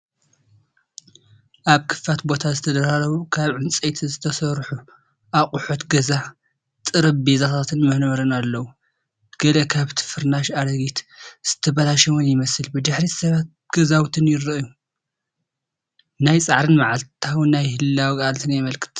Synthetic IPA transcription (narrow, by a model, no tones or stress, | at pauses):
ʔaβkʰɨ̥fat̪bo̞t̪ʰazɨt̪ʰɐd̪ɐɾaɾɐβukʰaβʕɨnt͡sʼejt̪ʰizɨt̪ʰɐsɐɾħu | ʔaχʼʊħot̪ɡɐza | t̪ʼɨɾɐbbezat̪ʰat̪ʰɨnmɨhnmɐɾɨnalːɐwu | ɡ̥ɐlɐkʰaβt̪ʰɨ̥fɨɾnaʃad̪ɐɡit̪z̥ɨ̥t̪ʰɐβɐlaʃɐwunjɪmɐsɨlbɨd̪ɨħɾisɐβat̪̚ɡ̥ɐzawt̪ʰɨnjɪrɨʔju | najt͡sʼaʕɾɨnmaʕalt̪ʰawnajhɨlːawikʼalt̪ʰɨnjɛmɐlkʰɨ̥t̪